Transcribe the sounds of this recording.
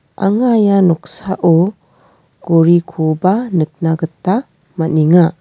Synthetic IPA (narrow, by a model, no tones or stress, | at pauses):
a̰ŋajanɔk̚saʔo | ɡ̥oɾikʰobanɯk̚naɡɯtːa | maniŋa